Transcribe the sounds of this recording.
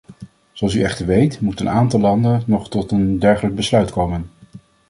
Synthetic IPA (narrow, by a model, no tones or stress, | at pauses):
z̥oɑlˠsyɛχtəɹʋejtmutənaːntɑlˠːɑndənnɔχtɔtəndɛɹχələɡ̚bəslœɥtkowmən